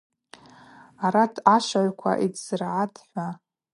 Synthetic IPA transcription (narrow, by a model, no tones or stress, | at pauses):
aɾatʰaʃaʕʷkʷʰa̰ʔidz̥ɨrʕadħʷa